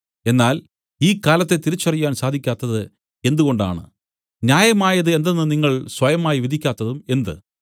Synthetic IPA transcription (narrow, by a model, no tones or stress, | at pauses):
e̞nːaːl | iːkːaːlɐt̪ːe̞t̪iɾit͡ɕːɐrijːaːnsaːd̪ʱikʲːaːt̪ːɐðɨ | e̞nd̪uɣo̞ɳɖa̰ːɳɨ̰ | njaːjɐmaːjɐðɨe̞nd̪enːɨniŋːɐɭswɐjɐmaːjiʋid̪ʱikʲːaːt̪ːɐðume̞nd̪ɨ